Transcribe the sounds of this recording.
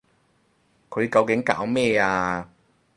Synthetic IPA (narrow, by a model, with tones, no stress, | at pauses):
kʰɵ˨˧ɥkɐ˧wkɪ˨˥ŋka̰ː˨˥wmɛː˥aː˧